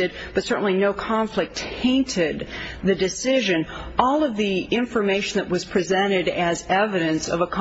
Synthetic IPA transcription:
ɨd̚b̥ʌtsɜ˞ʔn̩linoʊkʰɑ̃ɱflɨk̚thẽɪ̃ntʰɪd̪̚ðɨdɨsɪʒɨ̃nɔlˠʌvðiɪ̃ɱfə˞meɪʃɨ̃n̩ðɨʔ̚wʌz̥pʰɹ̥izɛ̃ɾ̃ɪɾɨzɛvɨɾɨ̃nsʌ̰vəkʰ

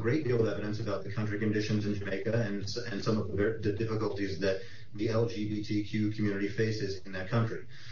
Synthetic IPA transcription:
əɡɹeɪt̚d̥ilˠʌvɛvɨɾɨ̃nsɨbaʊt̪̚ðɨkʰʌ̃nt͡ʃɹ̥ikɨ̃ndɪʃɨ̃nzɨ̃nd͡ʒɨmeɪkɨɨ̃nsɨ̃nsʌ̃mʌvðəðɨdɪfəkəl̩ˠtizðɨt̪̚ | ðiɛlˠd͡ʒibitʰikʰj̥ʉkʰmjʉnɨɾifeɪsɨzɪ̃nðɨt̚kʰʌ̃nt͡ʃɹ̥i

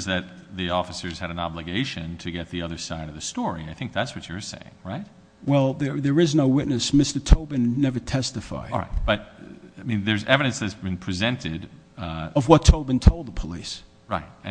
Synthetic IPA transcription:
zðɨt̪̚ðiɔfəsə˞z̥ɨɾɨ̃nɑblɨɡeɪʃɨ̃ntʰɨɡɛt̪̚ðiʌðə˞saɪɾʌvðɨstɔɹiaɪθɪ̃ŋk̚ðætswʌt͡ʃə˞sḛɪɪ̰̃ŋɹaɪt̚ | wɛlˠðə˞ðə˞ɨznoʊwɪʔⁿnɨsmɪstə˞tʰoʊbɨ̃nːɛvə˞tʰɛstɨfa̰ɪɹa̰ɪt̚b̥ʌt̚mĩnðə˞zɛvɨɾɨ̃nsðɨtsbɨ̃npʰɹ̥ɨzɛ̃ntʰɪd | ʌvwʌtʰoʊbɨ̃ntʰoʊlˠd̪̚ðəpʰəlḭs | ɹaɪt̚ɨ̃

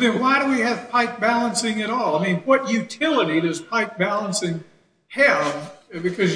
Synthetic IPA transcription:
ðɨ̃nwaɪɾɨwiɨv̥pʰaɪk̚b̥ælˠə̃nsɪ̃ŋɨɾɔlˠaɪmĩnwʌʔjʉtʰɪlˠəɾiðʌz̥pʰaɪk̚b̥ælˠə̃nsɪ̃ŋ | hɨvbɨkʰʌz

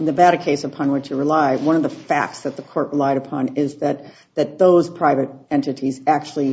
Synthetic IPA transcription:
n̩ðɨbæɾə˞kʰeɪsəpʰɑ̃nwɨt͡ʃjɨɹɨlaɪwʌ̃ñʌvðəfæ̰k̚tsðɨt̪̚ðəkʰɔɹʔ̚ɹəlaɪɾɨpʰɑ̃nɪzðɨt̪̚ | ðɨt̪̚ðoʊz̥pʰɹ̥aɪvɨɾɛ̃ntɨɾizæk̚t͡ʃul̩ˠi

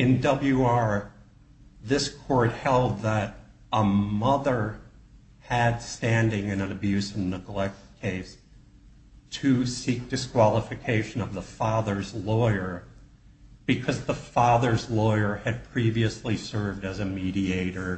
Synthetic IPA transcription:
ɨ̃ndʌbl̩ˠjʉɑɹ | ðɪskʰɔɹt̚hɛlˠd̪̚ðəɾ | ʔəmʌðə˞ | ɨd̥stæ̃ndɪ̃ŋɨ̃nɨ̃nɨbjʉsɨ̃nəɡlɛk̚tkʰeɪs | tʰɨsik̚d̥ɨskʰw̥ɑlˠəfɨkʰeɪʃɨ̃nʌvðəfɑðə˞zlɔɪə˞ | b̥ɨkʰʌzðəfɑðə˞zlɔɪə˞ɨd̚pʰɹ̥iviɨslisɜ˞vdɨzɨmiɾieɪɾə˞

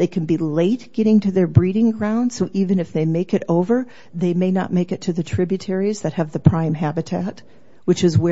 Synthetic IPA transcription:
ðeɪkʰɨ̃n̩bileɪt̚ɡ̥ɛɾɪ̃ŋtɨðə˞bɹiɾɪ̃ŋɡɹãʊ̃nd̥soʊʔivɨ̃nɨfðeɪmeɪkɨɾoʊvə˞ | ðeɪmeɪnə̰t̚meɪkɨtʰɨðɨtʰɹ̥ɪbjɨtʰɛɹizðɨt̚hɨvðɨpʰɹ̥ãɪ̃mɦæbɨtʰæt̚ | wɨt͡ʃɨzwə

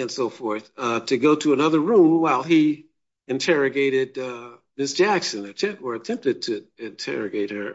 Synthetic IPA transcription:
ɨ̃nsoʊfɔɹθʌtʰɨɡoʊɾɨːnʌðə˞ɹũmwaɪlˠi | ɨ̃ntʰɛɹɨɡeɪɾɪd̚ʌmɪsd̥ʒ̥æksɨ̃nɨt͡ʃʰɛ̃nʔ̚wə˞ɨtʰɛ̃mp̚tɨd̚tʰɨɪ̃ntʰɛ̰ɹɨɡeɪt̚hə˞

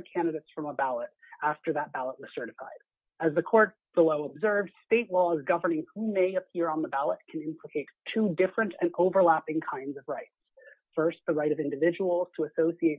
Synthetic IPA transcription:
kʰæ̃nɨɾeɪtsfɹʌ̃məbælˠəɾ | æftə˞ðət̚b̥ælˠəʔ̚wʌz̥sɜ˞ɾɨfa̰ɪd̥ | ɨzðɨkʰɔɹt̚b̥əloʊəbzɜ˞vz̥steɪʔˡlɔzɡʌvə˞nɪ̃ŋhumeɪɨpʰiɹə̃nðəbælˠət̚kʰɨ̃nɪ̃mpʰləkʰeɪtʰudɪfɹɨ̃ntʰɨ̃noʊvə˞læpɪ̃ŋkʰãɪ̃ndzʌvɹaɪts | fɜ˞st̪̚ðəɹaɪɾʌvɪ̃ndɨvɪd͡ʒəwl̩ˠz̥tʰəːsoʊsieɪt̚

